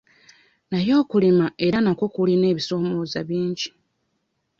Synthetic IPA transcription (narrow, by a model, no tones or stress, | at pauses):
najo̞ːkulimae̞ɾanakwo̞kuline̞ːβiso̞moːzaβiːɲɟi